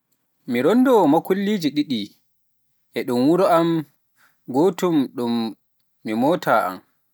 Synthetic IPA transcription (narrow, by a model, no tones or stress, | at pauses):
miɾɔndɔmakulːiːd͡ʒiɗiɗi | ʔɛɗumwuɾɔam | ɡotumɗumː | imɔtʰa̰ːʔa̰m